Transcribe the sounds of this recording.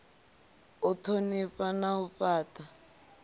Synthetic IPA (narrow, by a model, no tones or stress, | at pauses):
ʊtʰonifanaufaːta